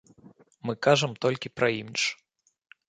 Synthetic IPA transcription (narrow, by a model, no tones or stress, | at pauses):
mɨkaʐɐmt̪ɔlʲkʲipɾɐimʲit͡ʂ